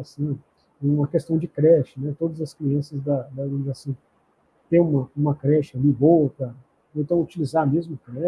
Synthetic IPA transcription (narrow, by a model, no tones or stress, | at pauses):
asĩ | ũmɐkest̪ɐ̃w̃d͡ʒɪkɾɛʃɪnɛt̪od̪ɐzɐskliɐ̃sɐzd̪ɐd̪ɐẽd͡ʒasĩ | t̪ẽũmɐũmɐkɾɛʃɐliboɐkɐ | ẽt̪ɐ̃w̃ut͡ʃilizamezmʊknɛ